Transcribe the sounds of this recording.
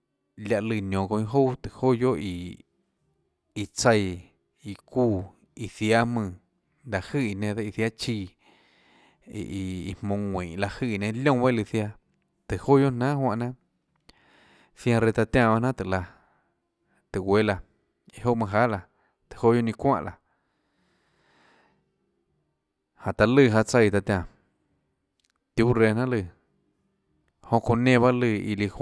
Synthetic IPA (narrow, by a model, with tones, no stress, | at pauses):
lja˧ʔlɨ˧˨nõ˨kõ˧ĩ˧ɦo˦t̪ɨ˨ho˦jo˦ʔi˧ | i˧t͡sə˧j | i˧ku˧˨ | i˧˨θja˦mɨ̃˧˨ | d̪a˧˨hɨ˦˨i˧˨nẽ˧d̪a˧i˧θja˦t͡ʃi˧ | ʔi˧ḭ˧mmõ˧ŋʷĩː˨ʔla˧hɨ˦˧˨nẽ˧lʲjõ˦˧we˦˧lɨ˧θja˧ | t̪ɨ˨ho˦jo˦ʔnã˦ɦwã˧ʔnã˦ | θjã˧ɾe˧t̪a˧t̪jã˧˨ba˦˧nã˦t̪ɨ˨la˧ | t̪ɨ˨we˧˦la˧ | i˧˨ho˦ʔmã˧ɦa˦la˧ | t̪ɨ̥˨ho˦jo˧nĩ˧kʷã̰˦ʔla˨ | hã˨t̪a˧lɨ˧˨ɦa˧t͡sa˧jt̪a˧t̪ʲjã˧˨ | t̪ju˦ɾe˧˨n̥ã˦lɨ˧˨ | hõ˧ʔko˧nẽ˦˧βa˦lɨ˧ḭ˧li˧h